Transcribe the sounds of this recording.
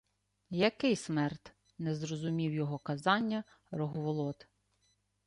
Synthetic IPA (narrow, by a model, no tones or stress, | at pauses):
jɐkɪjsmɛrt̪ | nɛzɾɔzʊmʲiwjɔɦɔkɐzɑnʲːɐ | ɾɔɦʋɔlˠɔt̪